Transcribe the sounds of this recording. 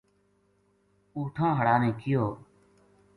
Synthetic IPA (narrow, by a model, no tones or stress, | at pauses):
uːʈʰãːɦəɽaːnẽːkɪjoː